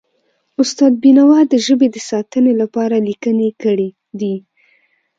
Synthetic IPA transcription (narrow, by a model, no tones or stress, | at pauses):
ʊst̪ɑd̪̚binawɑd̪əʒəbed̪əsɑt̪ənelapɑɾalikənekəɽi | d̪i